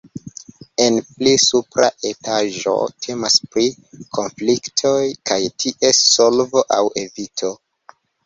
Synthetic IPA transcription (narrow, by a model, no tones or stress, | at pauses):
e̞nplisupɾa̰ʔe̞tʰaʒo̞̰tʰe̞maspɾikʰo̞nfliktʰojkajtʰiʔe̞sːo̞lvo̞ʔawe̞vitʰo̞